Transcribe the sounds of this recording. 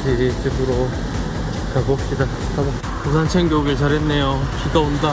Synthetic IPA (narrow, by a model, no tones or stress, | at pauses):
d͡ʑiɾit͡ɕibɯɾo | kaɡop̚ɕ͈ida | tʰaba | kusʰant͡ɕʰeŋɡjoɡɯɭt͡ɕaɾɦenːe̞joɕidaonda